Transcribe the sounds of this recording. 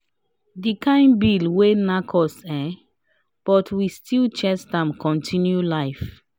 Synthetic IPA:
dikʰãɪ̃nbilwenakʰɔsɛ̃ | b̥ɔtʰwistʰilt͡ʃɛsdãmkʰɔ̃ntʰĩnjulaɪf

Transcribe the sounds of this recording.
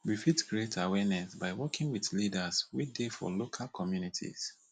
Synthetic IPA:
wifitɡɹietʰawɛnɛsbaɪwɔkʰɪ̃ŋwiθlidaswidefɔ̰lokʰalkʰɔmjunitʰḭs

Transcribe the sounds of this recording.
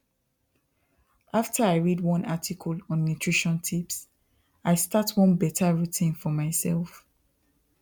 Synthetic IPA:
ʔaftʰəaɪɹidwɔ̃natʰikʰəlɔ̃nːutʰɹiʃɔ̃ntʰips | aɪstatʰwɔ̃nbɛtʰaɹitʰĩnfɔmaɪsɛlˠf

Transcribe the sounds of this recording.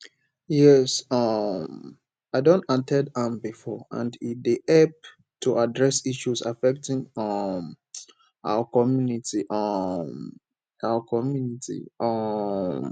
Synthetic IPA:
jɛsɔm | aɪdõntatʰɛdãmbifɔã̰ndideʔɛp̚ | tʰuʔadɹɛsiʃusa̰fɛk̚tɪ̃ŋɔm | ʔa̰wəkɔmjunitʰiʔɔm | awəkʰɔmjunitʰḭɔm

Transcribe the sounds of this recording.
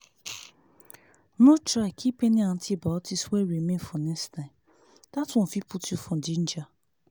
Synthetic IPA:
notɾaɪkʰipenian̩tʰibaɔtisweɾimenfɔnɛkstaɪ̃m | d̥atɔ̃n̩fiputjufɔn̩din̩d͡ʒa

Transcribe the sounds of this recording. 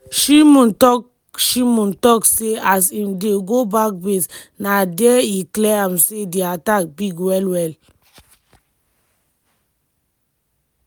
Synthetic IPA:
ʃimũntɔk | ʃimũntɔkseasimdeɡobak̚bes | nadɛiklɛãmsediatak̚biɡwɛlwɛl

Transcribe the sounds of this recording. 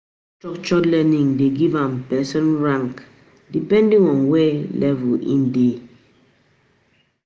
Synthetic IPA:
t͡ʃɔk̚t͡ʃɔtlɛniŋdeɡivãmpɛsɔnɹãŋk | dipɛ̃ndiŋɔnwelʔɛvuḭnde

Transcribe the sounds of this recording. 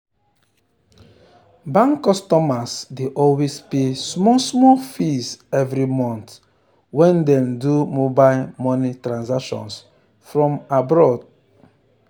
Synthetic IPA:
bãŋkːɔstɔmasdeʔɔlwespesmɔsmɔlfisɛvɾimɔ̃nt | wɛ̃ndɛ̃mdumobaɪlmɔnitɾãnzakʃɔ̰̃ns | fɹɔ̃mabɾɔd̚

